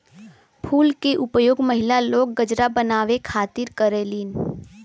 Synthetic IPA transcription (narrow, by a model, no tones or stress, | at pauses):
pʰuːlkeʔʊpjoːɡməɦɪlaloːɡːəd͡ʒɾabənaːʋekʰaːt̪ɪɾkəɾeliːn